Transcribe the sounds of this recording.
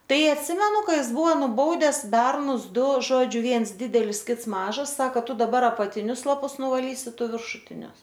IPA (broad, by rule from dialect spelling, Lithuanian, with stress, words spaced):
ˈtɐɪ ɐtʲˈsʲɪmʲɛnʊ ˈkɐ ˈjɪs ˈbʊʋoː nʊˈbɐʊdʲɛs ˈbʲɛrnʊs ˈdʊ ˈʒoːd͡ʒʲʊ ˈʋʲiɛns ˈdʲɪdʲɛlʲɪs ˈkʲɪts ˈmɑːʒɐs ˈsɑːkɐ ˈtʊ dɐˈbɐr ɐpɐtʲɪˈnʲʊs lˠɐˈpʊs nʊʋɐˈlʲiːsʲɪ ˈtʊ ʋʲɪrʃʊˈtʲɪnʲʊs